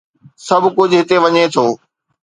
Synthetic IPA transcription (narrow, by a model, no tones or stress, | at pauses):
sɐbʱkʊd͡ʑʱɦɪt̪eʋɐɲet̪ʰoː